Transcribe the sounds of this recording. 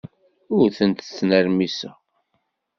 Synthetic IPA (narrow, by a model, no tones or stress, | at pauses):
ʊɾθənt̪t͡sːnəɾmisæ